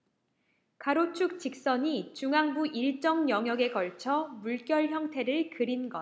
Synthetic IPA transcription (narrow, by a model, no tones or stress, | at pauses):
kaɾot͡ɕʰuk̚t͡ɕik̚s͈ʌɲit͡ɕuŋaŋbuʔiɭt͡ɕ͈ʌŋjʌŋɦjʌɡe̞ɡʌɭt͡ɕʰʌmuɭk͈jʌɭçjʌŋtʰe̞ɾɯɭkɯɾinɡʌ